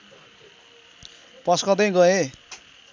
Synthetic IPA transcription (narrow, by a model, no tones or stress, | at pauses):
pʌskʌd̪ʌj̃ɡʌẽ